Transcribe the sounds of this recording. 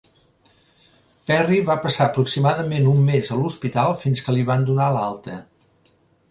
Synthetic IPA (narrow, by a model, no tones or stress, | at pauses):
pɛriβapəsaəpɾuksimaðəmenumːezəluspit̪alˠfinskəliβand̪unalalˠt̪ə